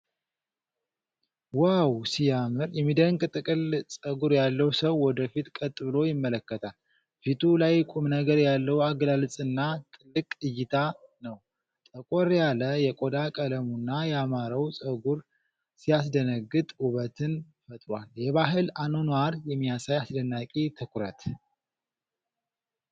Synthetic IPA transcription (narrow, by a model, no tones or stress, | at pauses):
wawsijamɨɾjɛmːid̪əŋkʼt̪ʼɨkʼɨlsʼəɡuɾjalːəwsəwːɔd̪əfit̪kʼət̪ʼːɨbɨlo̞jɪmːələkːət̪ʰal | fit̪ʰulajkʼumnəɡəɾjalːəwaɡlalɨt͡sʼɨnːat̪ʼɨlːɨkʼɨjːɪt̪ʰanəw | t̪ʼəkʼoɾjaləjɛkʼod̪akʼələmunːajɛamaɾəwsʼəɡuɾ | sijasd̪ənəɡːɨt̪ʼuβət̪ʰɨn | fət̪ʼɾwaljɛβaɦɨlanonwaɾjɛmːijasajasd̪ənːakʼit̪ʰɨkʰuɾə̰t̪